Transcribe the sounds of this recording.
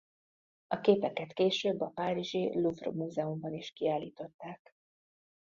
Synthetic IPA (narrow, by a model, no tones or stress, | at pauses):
ɒkeːpɛkɛt̪keːʃøːbːɒpaːɾiʒiluvro̰muːzɛumbɒniʃkiaːliːt̪o̞t̪ːaːk